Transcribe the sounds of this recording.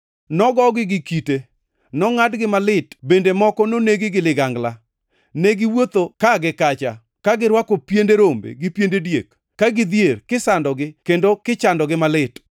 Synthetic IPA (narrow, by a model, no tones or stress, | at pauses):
nɔɡɔɡɪɡɪkite | nɔŋadɡɪmalɪtbendemɔkɔnoneɡɪɡɪlɪɡaŋɡla | neɡɪwot̪okaɡɪkat͡ʃa | kaɡɪɾwakopjendeɾombḛɡɪpjendedjek | kːaɡɪd̪jerkɪsandɔɡɪkendokɪt͡ʃandɔɡɪmalɪt